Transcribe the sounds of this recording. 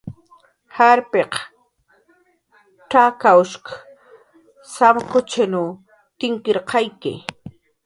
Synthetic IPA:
haɾpeq | ʈ͡ʂakawʃk | samkʊt͡ʃanʊ | t̪ɪŋkɪɾqɑjkɪ̰

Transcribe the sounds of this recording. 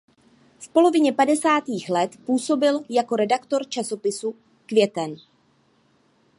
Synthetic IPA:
fpo̞lo̞vɪɲɛpadɛsaːt̪iːxlɛt̪puːso̞bɪljako̞ɾɛdakt̪o̞ɾt͡ʃaso̞pɪsu | kvjɛt̪ɛn

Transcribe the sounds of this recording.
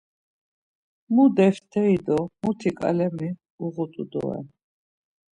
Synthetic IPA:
mud̪ɛft̪ʰɛid̪ɔmut̪ʰikʼa̰lɛmi | uʁut̪ʼud̪ɔ̰ɛ̰

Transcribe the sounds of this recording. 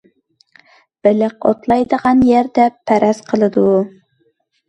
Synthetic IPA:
b̥ɪlɪqo̰t̪lˠɑjd̪əʁɑnjɛɾd̪ɛpʰæɾɛzqʰəlˠɨd̪u

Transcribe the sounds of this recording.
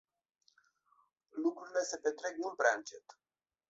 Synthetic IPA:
lukɾuɾile̞se̞pe̞t̪ɾe̞k̚nupɾeaɨnt͡ʃe̞t̪

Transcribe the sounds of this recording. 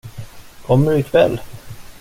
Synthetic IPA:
kʰɔmːəɖɵɪkʰvɛ̰lː

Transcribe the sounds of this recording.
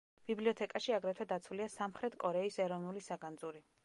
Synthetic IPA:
b̥ibliɔt̪ʰɛkʼaʃiaɡɾɛt̪ʰwɛd̪at̪sʰwuliasamχɾɛt̪ʰkʼɔɾɛisɛɾɔvnulisaɡand̪zuɾi

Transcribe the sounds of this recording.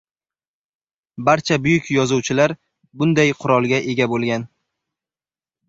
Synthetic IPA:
baɾt͡ʃʰabʊjʊkʲjɒzuwt͡ʃʰɪlaɾ | bʊnd̪ajqʰʊɾɒlˠɡʲaʔe̞ɡʲabolˠɡʲan

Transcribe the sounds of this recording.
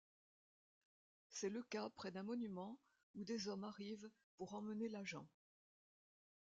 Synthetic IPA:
sɛləkapχɛd̪ɛ̃mɔnymɑ̃ | ud̪ezɔmaʁiv | puʁɑ̃mənelaʒɑ̃

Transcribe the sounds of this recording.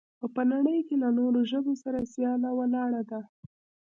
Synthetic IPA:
apənaɽəjkelanoɾoʒəbosaɾasjɑlawalɑɽad̪a

